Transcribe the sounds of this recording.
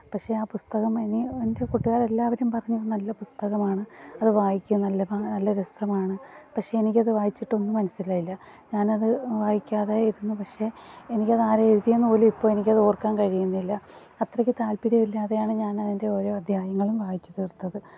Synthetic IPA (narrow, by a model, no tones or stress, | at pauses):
pɐkʂe̞aːpust̪ɐɣɐmeninde̞kuʈːuɣaːɾe̞lːaːʋɐɾumpɐrɐɲːuðnɐlːɐpust̪ɐɣɐmaːɳɨɐðɨʋaːjikʲːunɐlːɐanɐlːɐɾesɐmaːɳɨ | pɐkʂeenikʲːɐðɨʋaːjit͡ɕːiʈːo̞nːɨmɐnɐsːilaːjilːɐ | ɲaːnɐðɨʋaːjikʲːaːðaːjiɾunːupɐkʂe̞enikʲːɐðaːɾeeɻuðijenːɨpoːlumipːo̞ːɭenikʲːɐðɨoːrkːaːnkɐɻijunːilːɐ | ɐt̪rɐkʲːɨt̪aːlpiɾɐmilːaːðejaːɳɨɲaːnɐðinde̞oːɾo̞ːɐd̪ʱjaːjɐŋːɐɭumʋaːjit͡ɕːɐt̪eːrt̪ːɐðɨ